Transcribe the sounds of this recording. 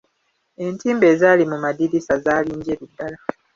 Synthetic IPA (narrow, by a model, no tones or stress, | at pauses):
e̞ntiːmbe̞ːzaːlimumadiɾisazaːliːɲɟeːɾudːala